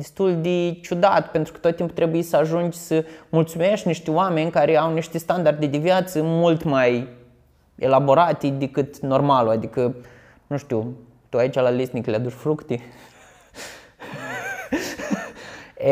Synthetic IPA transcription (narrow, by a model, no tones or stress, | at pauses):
d̪ist̪ulʲd̪et͡ʃud̪at̪pent̪ɾukə̥t̪ot̪̚ːimpt̪ɾebuisəaʒund͡ʒsəmult̪sumeʃt̪ʲniʃt̪iwamenʲkaɾeawniʃt̪ist̪and̪ard̪id̪ivjat̪səmult̪maj | elaboɾat̪id̪ekɨt̪normaluad̪ikə | nũʃt̪iw | t̪uait͡ʃalalisnikʲlʲad̪uʃfɾukt̪i